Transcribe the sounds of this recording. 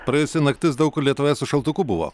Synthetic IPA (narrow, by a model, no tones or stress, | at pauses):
pɾɐjʊsʲɪnɐkt̪ʲɪsd̪ɐʊkʊlʲiɛt̪ʊʋʲæːsʲʊʃɐlˠt̪ʊkuːbʊʋo̰ː